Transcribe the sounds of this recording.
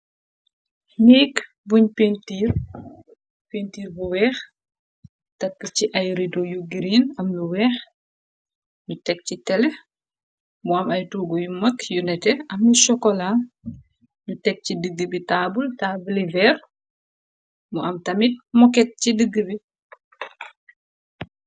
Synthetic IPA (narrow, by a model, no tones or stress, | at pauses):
niːk | buɲpentiːɾ | pentiːrbuwɛːx | tɐkːəciʔɐjɾidɔjuɡiɾiːnɐmluwɛːx | ɲutɛk̚citɛlɛ | muɐmɐjtuːɡɔjumɐkjunɛtɛʔɐmluʃɔkɔla | nutɛk̚cidəɡːəbitabultaːbulivɛːɾ | muʔɐmtɐmit̚mɔkɛt̚cidəɡːəbi